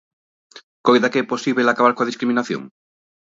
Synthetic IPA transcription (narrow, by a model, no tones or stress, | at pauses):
kojðakeɛposiβelakaβaɾkoaðiskɾiminaθjo̰ŋ